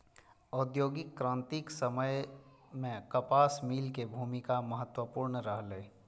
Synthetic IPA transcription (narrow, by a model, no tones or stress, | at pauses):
ɔːd̪joːɡɪkːɾãːnt̪iksəməjmẽkəpaːsmiːlkebʱuːmikaməɦət̪wəpuːɾɳəɾəɦleː